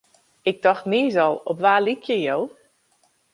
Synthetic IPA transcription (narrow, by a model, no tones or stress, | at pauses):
ɪɡ̚dɔxtniːzɔlˠɔpʋaːlikʰjəjow